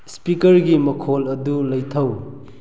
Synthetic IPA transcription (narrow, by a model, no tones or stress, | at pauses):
spikɐɾɡimɐkʰolɐdulɐjtʰɐw